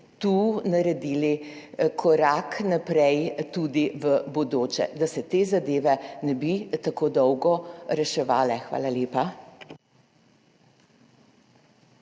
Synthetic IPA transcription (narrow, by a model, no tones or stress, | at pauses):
t̪uːnaɾɛd̪iːli | kʰɔɾaːknapɾɛjt̪uːd̪iʋəbɔd̪oːt͡ʃɛ̰d̪asɛt̪eːzad̪eːʋɛnɛbit̪akoːd̪ɔwɡɔɾɛʃɛʋaːlɛxʋa̰ːlaljeːpa